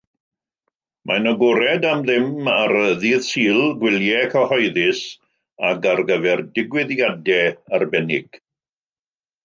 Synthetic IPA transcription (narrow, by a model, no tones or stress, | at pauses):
mʔanɔɡɔɾɛdamðɪmaɾəðiːðsiːlˠɡwɪljɛkʰahɔjðɪs | aɡarɡəvɛrdɪɡwɪðjadɛarbɛnɪɡ̥